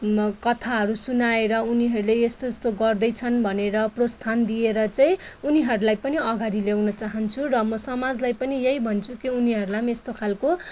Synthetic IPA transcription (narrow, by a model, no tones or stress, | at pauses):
kʌt̪ʰaɦʌɾusunaeɾʌuniɦʌɾuleest̪ost̪oɡʌrd̪ʌjt͡sʰʌnbʱʌneɾʌprost̪ʰand̪ieɾʌt͡saĩuniɦʌɾulajpʌniʌɡaɾilewnʌt͡saɦʌnt͡sʰurʌmʌsʌmad͡zlajpʌnijejbʱʌnt͡sʰukiuniɦʌɾulamest̪okʰalko